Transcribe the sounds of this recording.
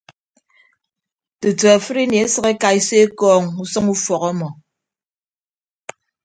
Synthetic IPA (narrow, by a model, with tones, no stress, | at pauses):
tɨ˨tə˨a˨fɨ˦ɾi˦ni˨e˦sɨ˦ɣe˦ka˨i˦se˦kɔː˦˨ŋu˦sɨ˦ŋu˦fɔ˨kɔ˦mɔ˨